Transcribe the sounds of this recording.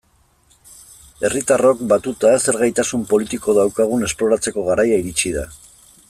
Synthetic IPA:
e̞rit̪aro̞kbat̪ut̪ase̞ɾɣajt̪asumpo̞lit̪iko̞ðawkaɣ̞une̞splo̞ɾat͡se̞ko̞ɣaɾajaiɾit͡ʃiða̰

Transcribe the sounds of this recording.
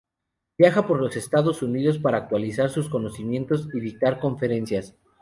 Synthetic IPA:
bjaxapo̞ɾlo̞se̞st̪aðo̞suniðo̞spaɾaːk̚t̪walisaɾsusko̞no̞simje̞nt̪o̞siðit̪aɾko̞ɱfe̞ɾe̞nsjas

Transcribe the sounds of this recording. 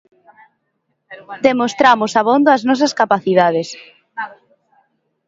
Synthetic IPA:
d̪emost̪ɾamʊsaβond̪oaznɔs̬ɐskapaθiðaðes

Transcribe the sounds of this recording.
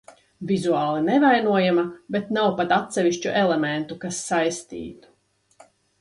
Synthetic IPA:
vizuaːlˠɛnɛvajnuɔjamabet̪nawpat̪at̪sɛviʃt͡ʃuʔɛlɛmɛnt̪ukasːajst̪ḭːt̪u̥

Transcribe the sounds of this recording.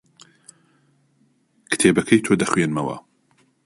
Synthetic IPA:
kɨ̥t̪ʰeːbɐkʰɐjt̪ʰod̪ɐxwenmɐwɐ̰

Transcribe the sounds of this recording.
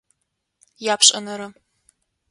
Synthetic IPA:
japʰʂʼɐnɐɾɨ

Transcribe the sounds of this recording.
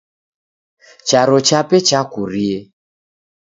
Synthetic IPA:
t͡ʃaɾɔt͡ʃapɛt͡ʃakuɾie

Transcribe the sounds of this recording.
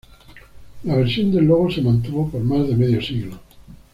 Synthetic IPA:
laβ̞eɾsjond̪elːoɣ̞osemãnt̪̬uβopoɾmazðemeðjosiɣlo

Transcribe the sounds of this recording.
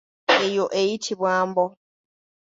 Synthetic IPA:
ejoʔejitʰiβwaːmbɔ

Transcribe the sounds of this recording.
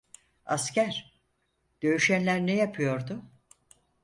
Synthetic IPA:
a̰scæɾ̥ | d̪̥ø̞yʃænlʲæɾnejapʰɯjo̞ɾd̪ʊ

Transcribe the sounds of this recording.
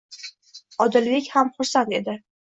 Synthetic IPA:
ɒd̪ɪlvekʲhamχʊɾsant̪e̞d̪ɪ

